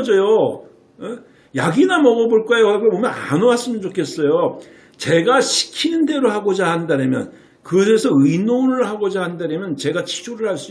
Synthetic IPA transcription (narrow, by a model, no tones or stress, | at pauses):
d͡ʑʌjo | e | jaɡinamʌɡʌboɭk͈ajoakɯɾebomjʌna̰noas͈ɯmɯnt͡ɕokʰe̞s͈ʌjo | t͡ɕe̞ɡaɕʰi̥kʰinɯnde̞ɾohaɡod͡ʑahanndaɾʌmjʌ̰n | kɯɡʌs̬ʰe̞sʰʌɯinonɯɭhaɡod͡ʑahandaɾʌmjʌnt͡ɕe̞ɡat͡ɕʰi̥d͡ʑoɾɯɭhaɭs͈u